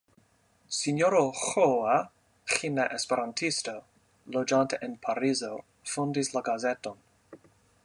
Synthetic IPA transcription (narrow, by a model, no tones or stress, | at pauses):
sinjoɾoxoa | xinaʔespeɾantʰisto | lod͡ʒanteʔenpʰaɾizo | fundislaɡazeto̞n